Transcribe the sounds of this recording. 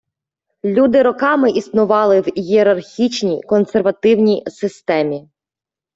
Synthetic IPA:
lʲud̪ɪɾɔkɑmɪʔisnʊʋɑlˠɪwjieɾɐrxʲit͡ʃnʲijkɔnserʋɐt̪ɪwnʲijsɪst̪ɛmʲi

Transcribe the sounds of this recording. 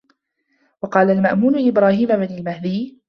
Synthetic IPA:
wɑqɑːlalmaʔmuːnʊʔɪbɾaːhiːmabɪnalmahd̪iː

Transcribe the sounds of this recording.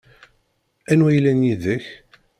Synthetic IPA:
ænwæjlænjiðəç

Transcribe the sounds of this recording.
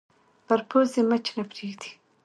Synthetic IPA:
paɾpʰozemət͡ʃnapɾeɡd̪i̥

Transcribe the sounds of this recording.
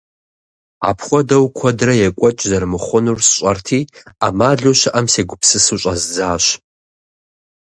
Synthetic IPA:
a̰pʰχʷɔdɐwkʷʰɔdrɐjɛkʷʼɔt͡ʃʼzɐrmɨχʷʊnursɕʷʼɐrtʰiːamaːɮuʃaʔɐmseːɡʷʊpʰsɨsuɕʷʼazd͡zaːʃ

